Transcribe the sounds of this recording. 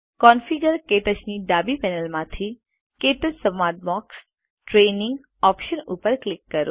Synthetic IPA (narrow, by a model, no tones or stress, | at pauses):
kɔnfiɡəɾket̪ət͡ʃniɖaːbipɛːnəlmãt̪ʰi | keːt̪əsəmaːɖ̚bɔks | ʈɾenɪ̃ŋɡ | ɔpʃənupəɾklɪkːəɾo̰ː